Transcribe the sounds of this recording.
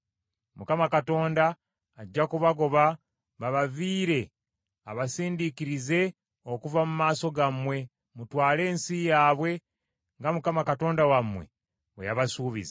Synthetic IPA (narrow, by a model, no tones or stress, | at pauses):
mukamakato̞ːndaː | ɟːakuβaɡo̞βa | βaβaviːɾe̞ | a̰βasiːndikiɾize̞ | okuvamumaːso̞ɡamwe̞ | mutwaːle̞ːnsijaːβwe̞ | ŋɡamukamakato̞ːndawamwe̞̰ | wejaβasuːβḭza